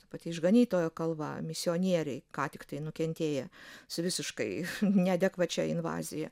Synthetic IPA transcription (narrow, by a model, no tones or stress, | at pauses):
t̪ɐpɑt̪ʲiːɪʒɡɐnʲiːt̪oːjoːkɐlˠbɐ̰mʲɪsʲɪoːnʲiɛɾʲɛɪkɑːt̪ʲɪkt̪ɐɪnʊkʲɛnʲt̪ʲeːjɛsʊʋʲɪsʲɪʃkɐɪnʲɛd̪ʲɛkʋɐt͡ʃʲɛɪnʋɑ̰ːzʲɪjɛ